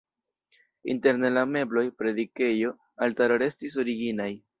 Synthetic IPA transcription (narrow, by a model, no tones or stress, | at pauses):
ḭnte̞ɾne̞lame̞blo̞jpɾe̞dike̞jo̞ | altaɾoɾe̞stis̬o̞ɾiɡinaj